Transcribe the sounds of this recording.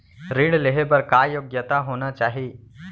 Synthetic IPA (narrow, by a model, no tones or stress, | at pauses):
ɾiɳ̃leɦebəɾkajoːɡjət̪aɦonat͡ʃaːɦiː